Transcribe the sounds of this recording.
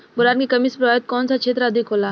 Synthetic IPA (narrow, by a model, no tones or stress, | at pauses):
bʊɾaːnkekɐmispɾʋaːjət̪̚kɔːnsakʰeːt̪ɾaɐd̪ʱɪkɦoːlaː